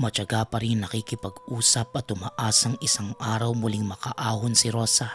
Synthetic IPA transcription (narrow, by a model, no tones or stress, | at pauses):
mɐt͡ʃɐɡapɐɾɪŋnɐkikɪpɐɡʔuːsɐp̚ɐt̪ʊmɐʔaːsɐŋɪsaŋʔaːɾɐwmʊlɪŋmɐkɐʔaːhonsɪɾo̞ːsa